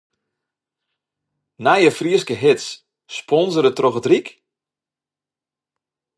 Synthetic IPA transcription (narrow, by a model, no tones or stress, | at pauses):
najəfriəskəɦɪts | spʰɔnzəɾətroxətrik